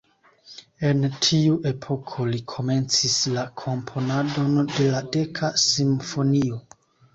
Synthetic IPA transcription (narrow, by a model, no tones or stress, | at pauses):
e̞ntʰiuʔe̞pʰo̞kʰo̞likʰo̞me̞nt͡sislakʰo̞mpʰo̞nado̞nde̞lade̞kʰasimfo̞nio̞